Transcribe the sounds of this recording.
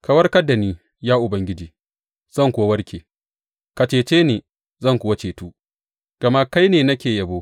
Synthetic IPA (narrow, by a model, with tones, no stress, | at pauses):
ka˨wɐ˦rkɐ˦dːa˨niː˦ | jaː˦ʔʊ˨bɐ˦ŋɡʲɪ˦d͡ʒiː˨ | z̥ɐ˦ŋkʷʊ˨wa˦wɐ˦rkʲeː˨ | ka˨t͡ʃeː˨t͡ʃeː˦neː˨ | zɐ˦˨ŋkʷʊ˨wa˦t͡ʃeː˨tuː˦ | ɡ̥ɐ˨ma˦ka˦jneː˨nɐ˦kʲeː˨jɐ˨boː˦